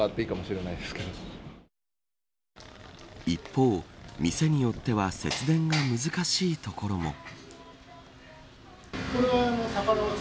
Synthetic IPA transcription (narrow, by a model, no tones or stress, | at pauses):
at̪ːeikamo̞ɕiɾe̞naid̪e̞sɨ̥ked̪o | ipʰːo̞ːmʲise̞ɲ̟ijo̞t̪ːe̞βase̞t͡sɨd̪ẽ̞ŋɡamɯzɨkaɕiːt̪o̞ko̞ɾo̞mo̞̰ | koɾeanosakaɾ